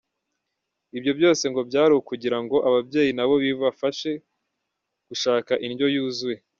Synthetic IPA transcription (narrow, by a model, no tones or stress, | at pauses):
ibjo̞bjo̞ːse̞ŋɡo̞bɟaːɾuwukuɟiɾaŋɡo̞ʔaβabɟe̞ːjinaβo̞βivafaʃe̞ | ɡ̥uʃaːkaʔinɟo̞juːzuje